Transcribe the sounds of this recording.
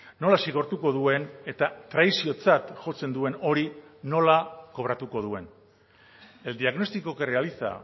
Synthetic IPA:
no̞lasiɣ̞o̞ɾt̪uko̞ðue̞ne̞t̪at̪ɾajsio̞t͡sat̪ʝo̞t͡se̞nd̪ue̞no̞ɾino̞lako̞βɾat̪uko̞ð̞ue̞n | e̞ld̪iaɣno̞st̪iko̞kerealiθa̰

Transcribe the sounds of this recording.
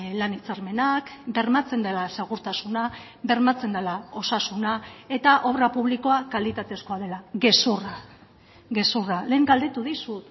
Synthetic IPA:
lanit͡saɾme̞nakbe̞ɾmat͡se̞nd̪elase̞ɣ̞uɾt̪asuna | be̞ɾmat͡se̞nd̪elao̞sasunae̞t̪aʔo̞βɾapuβliko̞akalit̪at̪e̞sko̞aðe̞laɣe̞sura | ɡe̞surale̞ːŋɡald̪et̪uðisut̪

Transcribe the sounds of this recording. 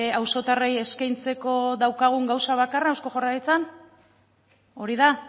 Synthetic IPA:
awso̞t̪areje̞skajnt͡se̞ko̞ðawkaɣ̞uŋɡawsaβ̞akaraawsko̞ʝo̞rajit͡san | o̞ɾiða

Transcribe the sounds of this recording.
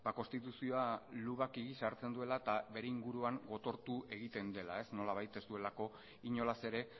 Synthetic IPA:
bako̞nst̪it̪usio̞aluβakiɣisaɾt͡se̞nd̪ue̞laet̪aβe̞ɾe̞iŋɡuɾuaŋɡo̞t̪o̞ɾt̪ue̞ɣ̞it̪e̞nd̪e̞la̰e̞sno̞laβ̞ajt̪e̞zd̪ue̞lako̞ | iɲo̞lase̞ɾe̞

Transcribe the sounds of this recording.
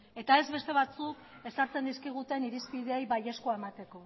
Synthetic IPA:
e̞t̪ae̞zβe̞st̪e̞β̞at͡suk | e̞saɾt͡se̞nd̪iskiɣ̞ut̪e̞niɾispið̞eejβaje̞skoae̞mat̪e̞ko̞

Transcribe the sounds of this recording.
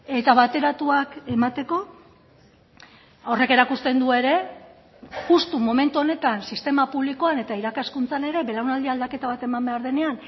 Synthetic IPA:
e̞t̪aβ̞at̪e̞ɾat̪uake̞mat̪e̞ko̞ | o̞re̞ke̞ɾakust̪e̞nd̪ue̞ɾe̞ | ɣust̪umo̞me̞nt̪uo̞ne̞t̪ansist̪e̞mapuβ̞liko̞ane̞t̪aiɾakaskunt͡sane̞ɾe̞βe̞lawnald̪iald̪ake̞t̪aβ̞at̪e̞mambe̞aɾðe̞ne̞an

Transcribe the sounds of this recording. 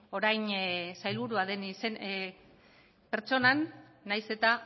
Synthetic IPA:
o̞ɾajnsajlβuɾuaðe̞nisen | peɾt͡so̞nanː | ajse̞t̪a

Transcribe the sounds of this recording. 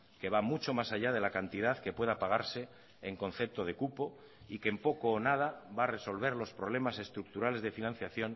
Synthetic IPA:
ke̞β̞amut͡ʃo̞masaʎað̞e̞lakant̪ið̞aðkepwe̞ðapaɣ̞aɾse̞ː | ŋko̞n̟θe̞p̚t̪o̞ð̞e̞kupo̞ | ikempo̞koːnað̞aβaːre̞so̞lβ̞e̞ɾlo̞spɾo̞β̞le̞mase̞st̪ɾuk̚t̪uɾale̞zðe̞finãn̟θjaθjo̞n

